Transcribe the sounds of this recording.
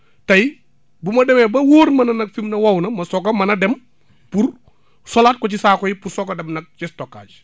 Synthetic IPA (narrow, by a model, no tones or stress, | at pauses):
tɐj | bumɐdɛmebɐwoːɾmɐnɐnɐk̚fimnɐwɐwnɐmɐsokamɐnɐdɛm | puɾ | solaːt̚kɔt͡ʃisaːkɔjipuɾsɔkadɛmnɐk̚t͡ʃistokːa̰ːd͡ʒ